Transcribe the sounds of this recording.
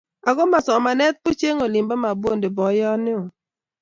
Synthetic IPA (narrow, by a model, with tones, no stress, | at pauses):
a˨ɡɔ˦ma˨sɔ˨ma˨nɛ˦t̪̚po˦t͡ʃe˦ŋo˨li˨mba˦ma˨bo˦˨nde˨bɔ˨jɔ˦nɪ˦o˨